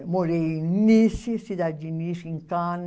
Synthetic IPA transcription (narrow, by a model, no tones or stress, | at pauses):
moɾenːisisid̪ad͡ʒinisiŋkan